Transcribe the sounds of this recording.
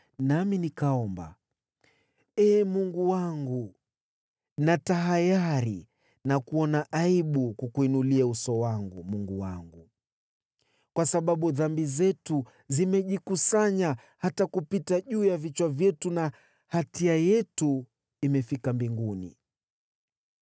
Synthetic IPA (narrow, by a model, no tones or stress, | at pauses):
naminikaɔmba̰ | ɛːmuŋɡuwaŋɡu | nataɦajaɾi | nakuɔnaʔaiɓukukuinuliausɔwaŋɡumuŋɡuwa̰ŋɡu | kwasaɓaɓuðambizɛtu | zimɛʄikusaɲa | hatakupitaʄuːjavit͡ʃwavjɛtuna | hatiajɛtu | imɛfikambiŋɡunḭ